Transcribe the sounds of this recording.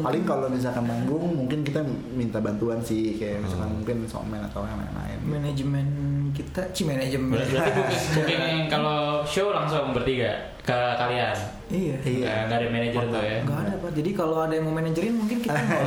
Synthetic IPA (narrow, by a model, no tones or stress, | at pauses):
palɪŋkalobis̬akanmaŋɡʊŋmuŋkɪnkit̪a | mint̪abant̪uansɪhkajabisakanmuŋkɪnso̰mɛna̰t̪awama̰nla̰ɪ̰nmɛnad͡ʒmɛnk̬it̪at͡ʃimɛnad͡ʒəmab̪ibusmukɪnkaloʃolaŋsʊŋbərt̪iɡa | kəkalian | ijaiɡaŋɡaːdamɛned͡ʒt̪uaŋɡaːdapad͡ʒadikaloadamomɛnad͡ʒəɾɪnmuŋkɪnkita